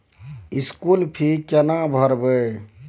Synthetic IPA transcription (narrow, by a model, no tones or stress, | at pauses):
iskulpʰikənabʱəɾbə